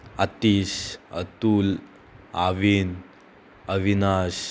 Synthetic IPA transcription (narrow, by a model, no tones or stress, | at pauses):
at̪isət̪ul | aʋin | əʋinas